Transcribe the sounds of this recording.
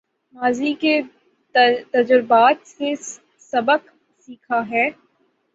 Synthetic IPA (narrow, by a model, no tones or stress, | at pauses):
maːzike | t̪ɐd͡ʒʊɾbaːt̪se | sɐbək | siːkʰaɦɛː